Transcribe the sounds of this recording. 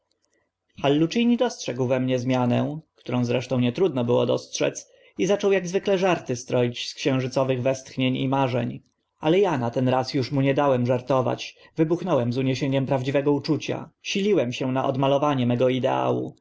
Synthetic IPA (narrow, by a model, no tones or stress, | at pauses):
xalːut͡ʂijɲid̪ɔstʂɛɡwvɛmɲɛzmʲjanɛkt̪uɾɔ̃w̃zɾɛʂt̪ɔ̃w̃ɲɛt̪ɾud̪nɔbɘwɔd̪ɔstʂɛ̰t̪s | izat͡ʂɔwjaɡzvɘklɛʐaɾt̪ɘst̪ɾɔjit͡ɕskɕɛ̃w̃ʐɘt̪sɔvɘɣvɛst̪xɲeɲḭmaʐɛ̰ɲ | alɛjanat̪ɛnɾasjuʂmuɲɛd̪awɛmʐaɾt̪ɔva̰t͡ɕvɘbuxnɔwɛmzuɲeɕeɲɛmpɾavd͡ʑivɛɡɔut͡ʂut͡ɕa̰ɕilʲiwɛmɕɛnaʔɔ̰d̪malɔvaɲɛmɛɡɔid̪ɛ̰a̰wṵ